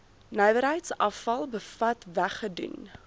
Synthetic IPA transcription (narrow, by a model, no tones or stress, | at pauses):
nɛjvəɾɦəjtsɐfɐlˠbəfɐtvæχədṵn